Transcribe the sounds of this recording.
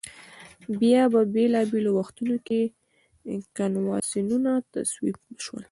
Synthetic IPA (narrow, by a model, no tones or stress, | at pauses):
bjɑbabelɑbelowaxt̪unoke | kɑnwɑ̰sinunat̪a̰swibəʃwə̰l